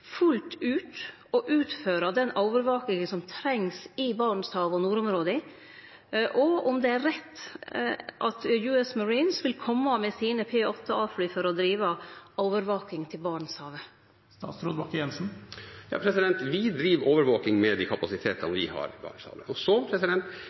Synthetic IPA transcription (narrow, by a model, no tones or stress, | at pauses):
fʉlt̪ʉːt̪ | ɔʔʉːt̪føːɾɑd̪ɛnɔʊʋəɾʋɑːk̪ɪŋnsɔmt̪ʰɾɛŋsɪbɑːɳshɑːʋɔnuːɾɔmɾoːd̪əɪ | ʔɔʊmd̪ɛæɾɛt̪ː | ʔɑt̪jʉːɛsmɑɾiːnsʋɪlkʰɔmːɑmɛsiːnəpʰeːʔɔt̪ʰːəɑːflyːfɔɾɔd̪ɾiːʋəɔʊʋəɾʋoːkɪŋt̪ʰɪlbɑːɳəshɑːʋə | sɑ̰ːsɾɔd̪bɑkjɛnsn̩jɑ̰ːpʰɾɛsɪd̪ɛnt̪ʋɪd̪ɾiːʋʔoːʋəɾʋoːkɪŋmɛd̪ikʰɑpɑsɪt̪ʰeːt̪ɑʋɪ̰hɑ̰ɾɪbɑ̰ːɳshɑ̰ːʋə̰ɔsɔpʰɾɛsɪd̪ɛnt̪